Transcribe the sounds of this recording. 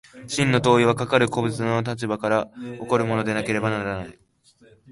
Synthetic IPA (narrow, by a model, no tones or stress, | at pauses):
ɕĩnːo̞t̪o̞ːiβ̞akakaɾɯ̟ko̞bɯ̟t͡sɨno̞t̪̬at͡ɕibakaɾao̞ko̞ɾɯ̟mo̞no̞d̪e̞nake̞ɾe̞banaɾanai